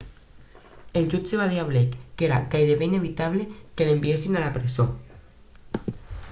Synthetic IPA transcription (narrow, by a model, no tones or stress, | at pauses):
eld͡ʒut͡ʃeβaðiaβlekːeɾakajðeβeineβ̞it̪aβlekelembiesinalapɾezo